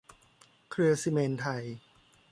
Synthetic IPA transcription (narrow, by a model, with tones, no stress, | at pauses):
kʰɾɯ˧ɐsi˧me˧nt̪ʰa˧j